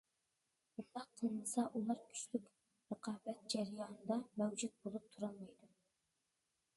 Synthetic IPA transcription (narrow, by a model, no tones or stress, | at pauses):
bund̪ɑqqʰːəlˠnɨsɑʔulˠɑɾkʲʰy̥t͡ʃlykʲ | ɾəqʰɑːbɛt̪̚d͡ʒɛɾɨjɑːnɨd̪ɑmɛwd͡ʒut̪̚bolˠup̚t̪ʰuɾɑlˠmɑjd̪u